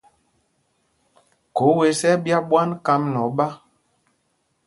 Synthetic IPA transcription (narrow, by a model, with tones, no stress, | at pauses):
ko˨˦we˨˦sɛ˦bja˦ɓwa˦nka˦mnɔ˨˦ɓa˦